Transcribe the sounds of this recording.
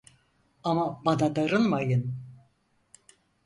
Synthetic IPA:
amabanad̪aɾɯnˠmajɯn

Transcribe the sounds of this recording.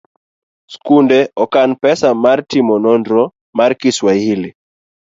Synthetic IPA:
skundɛɔkanpɛsamaɾtimɔnɔndɾɔ | maɾkiswaili

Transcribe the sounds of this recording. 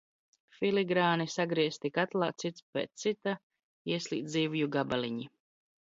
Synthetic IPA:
fʲiliɡɾaːnisaɡɾiɛst̪ikat̪lˠaːt̪sit̪spḛːt̪t̪sit̪a | iɛslḭːt̪ziːvujuɡabaliɲi

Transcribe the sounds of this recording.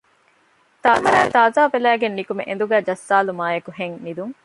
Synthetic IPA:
t̪aːzat̪aːzaːʋelæːɡenːikumḛʔḛnd̪uɡæːd͡ʒɐsːaːlumaːjekuɦeŋnid̪uŋ

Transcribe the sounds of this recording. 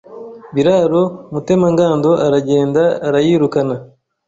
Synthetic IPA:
biɾaɾomute̞maŋɡaːndo̞ʔaɾaɟe̞ːndaːɾajiːɾukana

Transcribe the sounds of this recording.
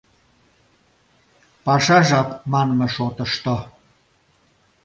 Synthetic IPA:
pɑʃɑʒɑkmɑnməʃot̪ə̆ʃt̪o

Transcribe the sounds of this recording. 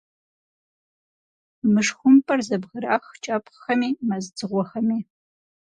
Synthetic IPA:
mɨʂxʷʊmpʼɐrzɐbʁɨɾaxt͡ʃʼɐpʼxɐmiːmɐzd͡zɨʁʷɔxɐmiː

